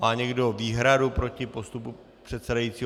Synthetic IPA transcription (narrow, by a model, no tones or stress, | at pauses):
maːɲɛɡdoviːɦɾadupɾo̞cɪpo̞st̪upu | pr̝̥ɛt̪sɛdajiːt͡siː